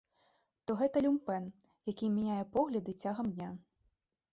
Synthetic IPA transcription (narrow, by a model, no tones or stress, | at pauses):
t̪ɔɣɛt̪ɐlʲumpɛn | jakʲimʲɛnʲajɛpɔɣlʲɐd̪ɨt͡sʲaɣɐmd̪ʲnʲa